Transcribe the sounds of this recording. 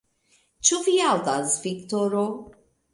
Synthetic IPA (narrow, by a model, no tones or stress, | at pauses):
t͡ʃuviald̪azvikt̪ɔɾo